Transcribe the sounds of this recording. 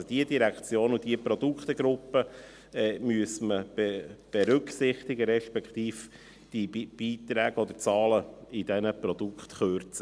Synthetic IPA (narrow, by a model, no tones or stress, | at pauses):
d̥iəd̥iɾækt͡sjoːnud̥iəpɾɔd̥̪ukt̪əɡ̥ɾʊpːə | ɛːmyəsməb̥eb̥ɛɾʉksɪχt̪ɪɡəɾɛʃpɛkχt̪iːf | d̥iib̥iːt̪ɾæːɡ̥əɔd̪ət͡sɑːləɪd̥̪ɛnəpɾɔd̥̪ukχt̪χørt͡sə